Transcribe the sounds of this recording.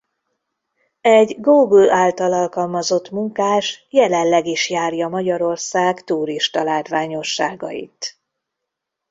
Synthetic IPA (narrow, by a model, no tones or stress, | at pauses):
ɛɟɡuːɡulaːlt̪ɒlɒlkɒlmɒzo̞t̪muŋkaːʃjɛlɛllɛɡiʃjaːrjɒmɒɟɒɾo̞rsaːkt̪uːɾiʃt̪ɒlaːt̪ʋaːɲo̞ʃːaːɡɒ̰jḭt̪